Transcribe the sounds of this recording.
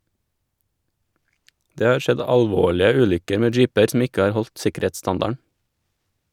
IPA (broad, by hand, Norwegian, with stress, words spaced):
ˈdeː ˈhɑːɾ ˈʃɛd ˌɑʎˈʋoːɭɪə ˈʉːʎʏkəɾ ˈmeː ˈd͡ʒiːpəɾ sm̩ ˈɪkə ˈhɑːɾ ˈhɔʎt ˈsɪkəˌɾeːtˌstɑndɑɳ